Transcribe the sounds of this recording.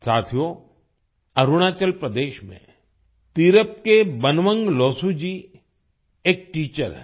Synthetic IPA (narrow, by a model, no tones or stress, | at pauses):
sa̰ːt̪ʰijo | ɐɾuɽ̃aːt͡ʃəlpɾəd̪eːʃmḛ̃ | t̪iɾəp̚kebɐnʋə̃ŋɡlɔːsud͡ʒiː | eːk̚ʈiːt͡ʃə̰ɾ